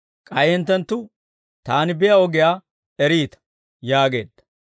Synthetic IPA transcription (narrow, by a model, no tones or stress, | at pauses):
kʼɐjhɛnt̪ːɐnt̪ːʊ | t̪aːnɪbɪjɐɔɡɪjaː | ɛɾiːt̪ɐ̥ | jaːɡe̞̰ːd̪ːɐ̥